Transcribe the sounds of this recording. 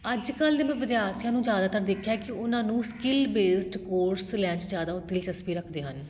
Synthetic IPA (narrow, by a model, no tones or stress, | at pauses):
əd͡ʒkəld̪eːmɛ̃ːʋɪd̪jaːɾt̪ʰjãːnũːd͡ʒjaːd̪aːt̪əɾd̪eːkʰjaːkɪʊnãːnũːskɪlbeːsʈkoːɾslɛ̃ːt͡ʃzjaːd̪aːʊt̪ːɪlt͡ʃəspiːɾəkʰd̪eːɦən